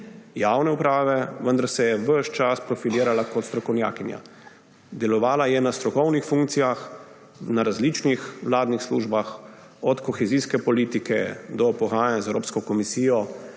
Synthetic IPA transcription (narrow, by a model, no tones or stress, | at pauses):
jawnɛupɾaːʋɛʋənd̪aɾsɛjɛʋəʃt͡ʃaspɾɔfiliːɾalakɔt̪st̪ɾɔkɔwnja̰ːkinja̰ | d̪ɛlɔʋaːlajɛnast̪ɾɔkɔwnixfũŋk̚t̪sijax | naɾazliːt͡ʃnixʋlaːd̪nixslṵːʒbax | ɔt̪kɔxɛziskɛpɔliːt̪ikɛ̰d̪ɔpɔɣaːjanazɛwɾo̰ːpskɔkɔmisiːjɔ